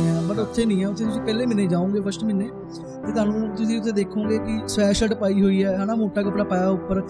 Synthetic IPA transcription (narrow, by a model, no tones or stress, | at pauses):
ɛ̃ːbəʈʊt̪ʰːeːnĩːɛ̃ːʊt̪ʰːeːt̪ʊsĩːpɛːleːmɪnẽːd͡ʒaːõːŋɡeːpʰəsʈmɪnːeː | t̪eːt̪ʊaːnũːt̪ʊsĩːʊt̪ʰːeːd̪eːkʰːõːɡeːkɪsɛːʃəʈpaːiːɦoːiːɛːɦãːnaːmoːʈaːkəpɽaːpaːjaːʊpːəɾ